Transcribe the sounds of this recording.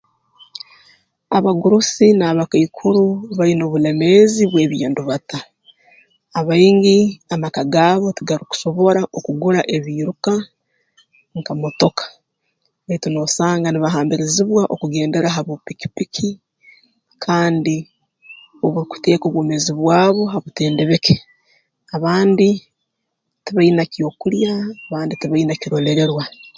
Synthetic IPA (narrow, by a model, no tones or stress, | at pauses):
aβaɡuɾusinaːβakaikʰuɾuβaino̞βule̞me̞ziβwe̞ːβjḭːnduβata | βaiŋɡiamakaɡaːβo̞tiɡaɾiku̥so̞βo̞ɾaʔokuɡuɾaʔe̞βiːɾuka | ŋkamoto̞kḁ | eituno̞saːŋɡaniβaɦaːmbiɾiziβwaʔokuɡe̞ːnde̞ɾaɦaβopiki̥pikʰi | kʰaːndi | oβuɾiku̥te̞ːkoβwoːme̞ziβwaːβo̞ɦaβute̞ːnde̞βeke̥ | aβaːndi | tiβainacio̞kuljaːβaːnditiβainaciɾo̞le̞ɾe̞ɾwa